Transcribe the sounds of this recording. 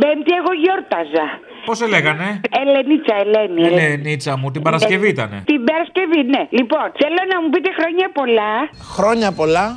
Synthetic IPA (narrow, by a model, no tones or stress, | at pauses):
bent̪ie̞ɣo̞ʝo̞ɾt̪ɐzɐ | po̞sele̞ɣɐne̞elenit͡sɐelenilenit͡sɐmut̪ibɐɾɐsceviit̪ɐne̞̰t̪ibɐɾɐsce̞vinelipo̞nθelo̞nɐmupit̪e̞xɾo̞ɲɐpo̞lɐ | xɾo̞ɲɐpo̞lɐ